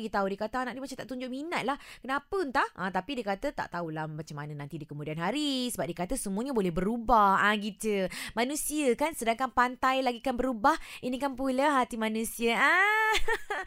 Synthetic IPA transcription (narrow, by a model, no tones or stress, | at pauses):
ɡit̪audiəkat̪əanaʔdimat͡ʃamt̪aʔt̪uɲd͡ʒʊʔ̚minat̪̚lahkənapənt̪ahʔãt̪apidiəkat̪ət̪a̰ʔt̪aulamat͡ʃamanənãnt̪idikəmudianɦaɾisəbap̚diəkat̪əsəmuəɲabolɛhbəɾubahãɡit̪əmanũsiəkansədaŋkanpant̪ajlaɡikanbəɾubahinikanpuləɦat̪imanũsiəʔa